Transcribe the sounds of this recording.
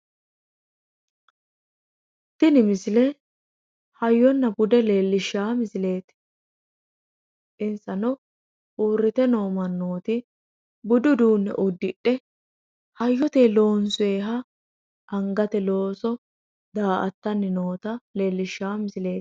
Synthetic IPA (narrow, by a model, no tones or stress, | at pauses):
t̪ːɪnɪmɪsɪlɛ | hɐjːɔnːɐɡʊd̪ɛleːlːɪʃːaːmɪsɪle̞ːt̪ | ʔɪnsɐnɔ | ʔuːrːɪt̪ɛno̞ːmɐnːo̞ːt̪ɪ | bʊd̪ʊd̪uːnːɛ̰ʔʊd̪ːɪʔːɛ | hɐjːɔt̪eːlo̞ːnsʊeːɦɐ | ɐŋɡɐt̪ɛlo̞ːsɔ | d̪aːʔɐt̪ːɐnːɪno̞ːt̪ɐle̞ːlːɪʃːaːmɪsɪle̞ːt̪